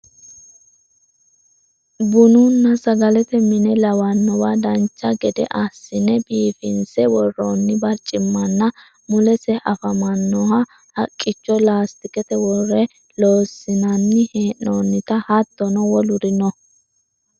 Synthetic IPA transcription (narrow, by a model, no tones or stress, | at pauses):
bʊnunːɐsɐɡɐlɛt̪ɛmɪnɛlɐwɐnːɔwad̪ɐnt͡ʃːɐɡɛd̪ɛ̰ʔɐsːɪnɛbiːfɪnsɛwɔrːonːɪbɐɾt͡ʃʼɪmːɐnːɐ | mʊlɛsɛʔɐfɐmɐnːɔɦɐ | hɐkʼːɪt͡ʃːɔlaːst̪ɪkɛt̪ɛwɔrːɛ | loːsːɪnɐnːɪheːʔːoːnːɪt̪ɐhɐt̪ːɔnɔwɔlʊɾɪnɔ